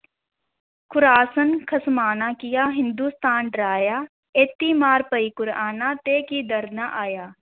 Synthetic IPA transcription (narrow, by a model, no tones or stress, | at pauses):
kʰʊɾaːsənkʰɐsmaːnaːkɪjaːɦɪ̃nd̪uːst̪aːnɖɾaːjaː | eːt̪ːimaːɾpəikʊɾaːnãt̪eːkid̪əɾnaʔaːjaː